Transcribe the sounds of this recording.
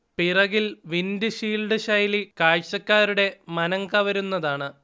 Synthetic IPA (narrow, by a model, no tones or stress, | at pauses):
pirɐɣilʋinduɕiːlɖɨɕɐjlikaːɻɕɐkːaːɾuɽe̞mɐnɐŋkɐʋɐɾunːɐðaːɳɨ